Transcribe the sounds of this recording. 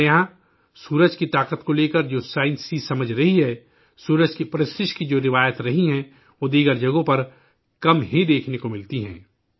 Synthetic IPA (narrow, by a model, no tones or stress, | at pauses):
jɐɦã | suːɾəd͡ʒkit̪aːqət̪koleːkəɾd͡ʒoːsaːɪ̃nsisɐməd͡ʒʱɾɐɦiɦɛː | suːɾəd͡ʒkipɾɪsɪʃkid͡ʒoːɾɪʋaːjət̪ɾɐɦiɦɛ̃ | od̪iːɡəɾd͡ʒɐɡõpɐɾ | kɐmɦĩd̪eːkʰnekomɪlt̪iɦɛ̰̃ː